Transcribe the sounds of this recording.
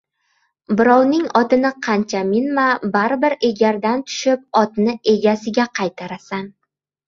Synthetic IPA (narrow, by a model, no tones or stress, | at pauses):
bɪɾɒwnɪŋɒt̪ɪnɪqʰɑnt͡ʃʰamɪnmabaɾbɪɾe̞ɡʲaɾd̪ant̪ʰʊ̥ʃɪp̚ɒt̪nɪe̞ɡʲasɪɡʲaqʰɑjt̪ʰaɾasan